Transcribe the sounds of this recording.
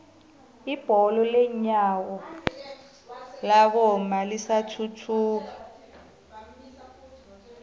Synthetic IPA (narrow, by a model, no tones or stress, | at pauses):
ib̥ʱɔlɔlɛɲaːwɔ | laβɔmalisatʰutʰuːa